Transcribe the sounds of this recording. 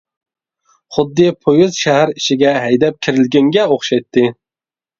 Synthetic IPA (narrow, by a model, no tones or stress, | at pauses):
χʊd̪ːɨpʰojuzʃæhæɾiʃɪɡʲɛɦɛjd̪ɛp̚kʲʰɪɾɪlɡʲɛŋɡʲɛoχʃɑjt̪ʰːɨ